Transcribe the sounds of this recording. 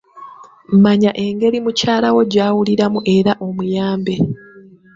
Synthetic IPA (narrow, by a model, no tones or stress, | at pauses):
m̩maɲaʔe̞ŋɡe̞ɾimucaːlawo̞ɟaːwuliɾamuʔe̞ɾaʔo̞mujaːmbe̞